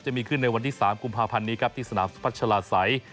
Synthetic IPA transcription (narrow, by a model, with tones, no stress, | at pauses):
t͡ɕa˨miː˧kʰɯ˥˩nːa˧jwa˧nt̪ʰiː˥˩saː˩˦mku˧mpʰaː˧pʰa˧nːiː˦˥kʰa˦˥p̚t̪ʰiː˥˩sa˧naː˩˦mspʰa˦˥t̪̚t͡ɕʰa˧laː˧sa˩˦j